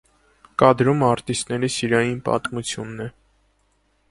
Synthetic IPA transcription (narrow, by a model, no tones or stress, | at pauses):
kɑd̪ɾumɑɾt̪ist̪nɛɾisiɾɑjinpɑ̰t̪mut͡sʰjunːɛ